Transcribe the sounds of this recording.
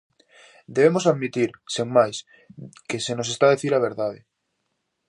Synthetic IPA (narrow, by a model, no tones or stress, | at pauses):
d̪eβemosaðmit̪iɾseŋmajs | kesenosest̪aðeθiɾaβ̞eɾðaðɪ̰